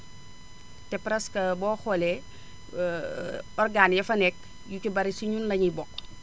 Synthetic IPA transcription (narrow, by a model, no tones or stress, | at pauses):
tɛpɾɐskɐbɔːxole | ɔrɡanjɐfɐnɛk̚ | jukubɐɾisiɲunlɐɲibɔk